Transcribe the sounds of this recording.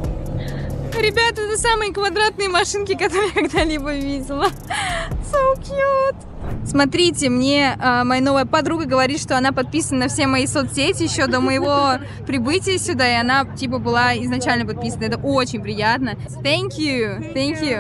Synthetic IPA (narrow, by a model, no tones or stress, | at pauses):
ɾʲɪbʲat̪əɛt̪əsamɨjəkvɐd̪ɾat̪̚nɨjəmɐʂɨnkʲɪkɐt̪o̞ɾɨjəkɐɡd̪alʲibəvʲidʲɪlˠə | sowkʲjut̪ | smɐt̪ɾʲitʲɪmnʲeəmɐjano̞vəjəpɐd̪ɾuɡəɡəvɐɾʲit̪ʂt̪o̞ɐnapɐt̪̚pʲisənənɐfsʲemɐjisot̪sʲetʲɪjɪɕːo̞d̪əməjɪvo̞ | pɾʲɪbɨtʲɪjəsʲʊd̪aɪɐnatʲip̬əbɨlˠaɪznɐt͡ɕælʲnəp̬ɐt̪̚pʲisənəɛt̪əʔot͡ɕɪnʲpɾʲɪjat̪nə | θʲænkʲjuθʲænkʲju